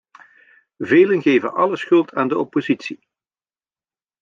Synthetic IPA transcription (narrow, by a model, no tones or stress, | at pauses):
veːlənɣeːvənʔɑləsxɵlˠtʰaːndəɔpozitsi